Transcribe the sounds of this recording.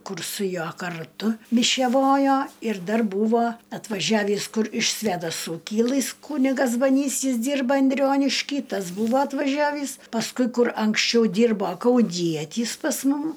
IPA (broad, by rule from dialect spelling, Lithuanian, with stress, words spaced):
ˈkʊr sʊ ˈjuɔ kɐrˈtʊ mʲɪʃʲɛˈʋoːjoː ɪr ˈdɐr ˈbuːʋoː ɐtʋɐˈʒʲæːʋʲiːs ˈkʊr ɪʃ sʲʋʲɛdɐˈsuː ˈkʲɪlˠɨs ˈkuːnʲɪɡɐs bɐˈnʲiːs ˈjɪs ˈdʲiːrbɐ ɐnʲˈdʲrʲoːnʲɪʃʲkʲiː ˈtɐs ˈbuːʋoː ɐtʋɐˈʒʲæːʋʲiːs pɐsˈkʊɪ ˈkʊr ɐŋksʲˈt͡ʃʲɛʊ ˈdʲiːrboː kɐʊˈnʲiɛtʲiːs pɐs ˈmʊm